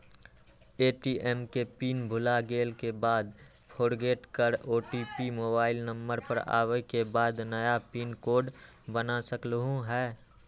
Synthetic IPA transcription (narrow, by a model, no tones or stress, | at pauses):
eːʈiːʔɛːmkepiːnbʱʊlaɡeːlkebaːd̪ | pʰoːɾɡeːʈkəɾoːʈiːpimoːbaːɪlnə̃mbəɾpəɾa̰ːwəkebaːd̪nəjapiːnkoːɖ | bənasəkləɦũɦɛː